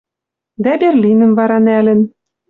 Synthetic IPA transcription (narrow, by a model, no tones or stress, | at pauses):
d̪æberlʲinɘ̆mvɑɾɑnælɘ̆n